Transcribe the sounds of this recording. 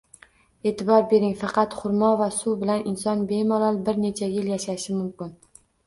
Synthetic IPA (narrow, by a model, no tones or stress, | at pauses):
e̞t̪ʰɪbɒɾbe̞ɾɪŋfɑqʰɑt̪χʊɾmɒvasuwbɪlanɪnsɒnbe̞malˠɒlˠbɪɾne̞t͡ʃʰajɪljaʃaʃɪmʊmkʲɪn